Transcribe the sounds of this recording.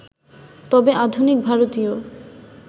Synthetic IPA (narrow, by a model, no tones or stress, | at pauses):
t̪ɔbeʔad̪ʱunik̚bʱaɾot̪io